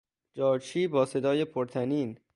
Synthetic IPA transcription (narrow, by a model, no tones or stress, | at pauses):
d͡ʒɒːt͡ʃʰiːbɒːse̞d̪ɒːjepʰoɾt̪ʰæniːn